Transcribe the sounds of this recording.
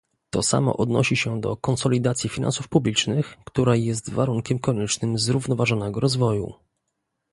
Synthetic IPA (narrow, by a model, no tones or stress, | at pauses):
t̪ɔsa̰mɔ̰ʔɔd̪nɔ̰ɕiɕɛd̪ɔ̰kɔnsɔlʲid̪at̪sʲjifʲina̰nsufpublʲit͡ʂnɘxkt̪uɾajɛst̪vaɾuŋkʲɛmkɔɲɛt͡ʂnɘmzɾuvnɔvaʐɔnɛɡɔɾɔzvɔjṵ